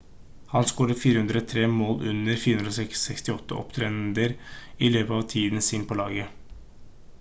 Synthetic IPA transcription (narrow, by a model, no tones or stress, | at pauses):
hɑnskoːɾəfiːɾəhʉnd̪ɾəɔt̪ʰɾeːmoːlʔʉnəɾfiːɾəʉnɾɔsɛkɛkst̪ɪɔt̪ːəʔɔ̰pt̪ʰɾɛnd̪əɾɪløːpəɑːʋt̪ʰiːd̪n̩siːnpʰɔlɑːɡə